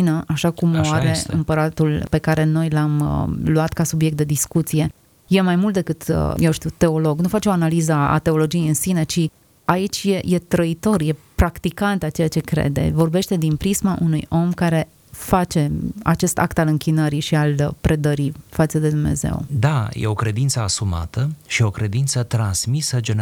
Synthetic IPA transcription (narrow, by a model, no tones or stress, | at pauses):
inəʔaʃakumoaɾe̞ɨ̰mpəɾat̪ulpe̞kaɾe̞no̞jlamə̰luat̪kasubjek̚t̪̚d̪e̞d̪iskut̪sije̞ | je̞majmult̪̚d̪ekɨt̪ə̰jewʃt̪iut̪e̞o̞lo̞ɡnufat͡ʃeoanalizəa̰t̪e̞o̞lo̞d͡ʒijejɨnsine̞t͡ʃi | ait͡ʃʲjeje̞t̪ɾəit̪o̞rje̞pɾakt̪ikant̪at͡ʃe̞jat͡ʃe̞kɾḛd̪e̞̰vo̞rbe̞ʃt̪e̞d̪inpɾismaʔunujo̞mkaɾe̞ | fat͡ʃe̞a̰t͡ʃe̞st̪a̰kt̪alɨŋkʲinəɾiʃialpɾe̞d̪əɾifat̪səd̪e̞d̪umne̞̰ze̞̰wd̪ajḛokɾe̞d̪int̪səasuma̰t̪əʃio̞kɾe̞d̪int̪sət̪ɾansmisəd͡ʒen